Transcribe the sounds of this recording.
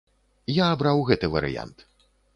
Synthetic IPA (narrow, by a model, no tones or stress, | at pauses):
jaːbɾawɣɛt̪ɨvɐ̰ɾɨ̰ja̰nt̪